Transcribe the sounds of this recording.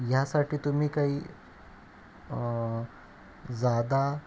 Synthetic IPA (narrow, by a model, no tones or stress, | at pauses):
jasaʈʰiːt̪um̤iːkaɦiː | d͡zad̪a